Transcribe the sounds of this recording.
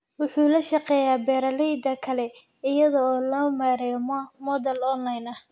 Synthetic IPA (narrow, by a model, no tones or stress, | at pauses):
wʊħuːlɐʃɐqɛːjaːbɛːɾɐlɛjd̪ɐkʰɐlɛ | ɪjɐðɔːlɔːmaːɾɛmɔmɔd̪ɐlɔnlɐjnɐh